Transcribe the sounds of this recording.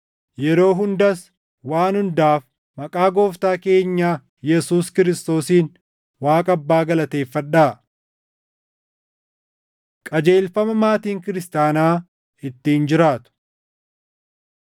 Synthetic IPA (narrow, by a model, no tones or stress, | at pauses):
jɛɾo̞ːɦʊnd̪ɐs | waːnhʊnd̪aːf | mɐkʼaːɡo̞ːft̪aːke̞ːɲːaː | jɛsuːskɪɾɪst̪o̞ːsiːn | waːkʼɐɐbːaːɡɐlɐt̪e̞ːfːɐᶑaː | kʼɐd͡ʒe̞ːlfɐmɐmaːt̪iːŋkɪɾɪst̪aːnaː | ɪt̪ːiːnd͡ʒɪɾaːt̪ʊ̥